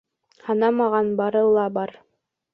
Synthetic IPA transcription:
hɑnɑmɑʁɑnbɑɾɤlˠɑbɑɾ

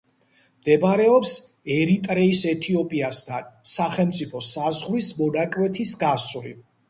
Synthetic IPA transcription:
md̪̥ɛbɾɛɔpsɛɾit̪ʼɾɛisɛt̪ʰiɔpʼiast̪ʰansaχɛlmt̪sʼipʰɔsazʁɾismɔnakʼwɛt̪ʰisɡasli

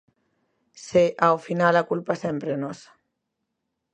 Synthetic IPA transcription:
seʔawfinalakulpasempɾenos

